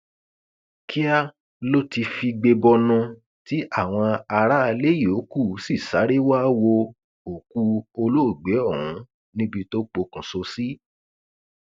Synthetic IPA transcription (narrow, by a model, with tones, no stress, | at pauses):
ki˦a˦ | lo˦ti˧fi˧ɡ͡be˧bɔ˧nũ˧ | ti˦ʔa˦˨w̃ɔ̃˧a˧ɾa˦a˧le˦jo˨˦ku˦˨˦si˦˨sa˨˦ɾe˦wa˦wo˧ | o˨ku˧o˧lo˦o˦˨ɡ͡be˨˦ɔ˦˨ɾũ˨˧˦ | nĩ˦bi˧to˦k͡po˧kũ˨so˧si˦